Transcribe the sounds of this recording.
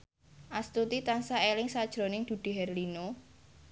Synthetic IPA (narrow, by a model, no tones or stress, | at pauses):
ʔast̪ut̪it̪ansaelɪŋsad̥ʒ̥ɾo̤nɪŋd̪̥ṳd̪̥i̤ɦɛrlino